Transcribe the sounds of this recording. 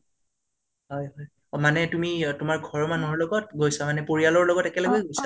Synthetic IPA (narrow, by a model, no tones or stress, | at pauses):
ɦɔjɦɔj | manɛtumitʊmaɹɡʱɔɹmanɔɹlɔɡɔt̚ɡojsamanɛpoɹialɔɹlɔɡɔtɛkɛlɛɡojɡojsa